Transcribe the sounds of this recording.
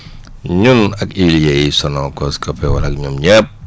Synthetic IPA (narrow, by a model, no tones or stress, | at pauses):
ɲunɐkiljɛjisɔnɔkɔskɐpɛwɐnɐk̚ɲumɲɛp̚